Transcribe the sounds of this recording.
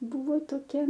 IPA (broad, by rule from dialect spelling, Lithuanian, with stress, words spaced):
ˈbʊʋoː toːˈkʲɛ